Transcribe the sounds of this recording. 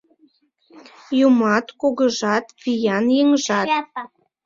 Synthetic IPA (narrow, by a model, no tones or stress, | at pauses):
jumɑt̪koɣəʒɑt̪vijɑnjeŋəʒɑt